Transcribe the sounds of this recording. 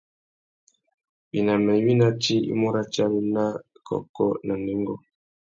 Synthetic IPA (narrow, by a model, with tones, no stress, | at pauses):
bi˨na˨mɛ˨˦wi˦na˦t͡ʃi˦ḭ˦mo˦ɾa˦t͡ʃa˦wi˦na˦ | kʰɔ̰˨kɔ˦na˨ne˨˦ŋ˦ɡɔ˦